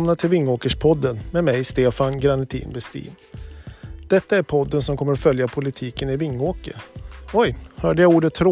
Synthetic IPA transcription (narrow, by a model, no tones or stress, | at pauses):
mnat̪ʰɪlvɪŋːoːkəʂpʰɔd̪ːənmɛːmɛjst̪eːfanɡɾanɪt̪ʰḭːnbɛst̪ḭːn | d̪̥ɛt̪ːaæɾpʰɔd̪ːənsɔmkʰɔmːəɾɔfœljapʰʊlɪt̪ʰiːkənɪvɪŋːoːkə̰ɾɔjhœːɖəjauːɖət̪ʰːɾo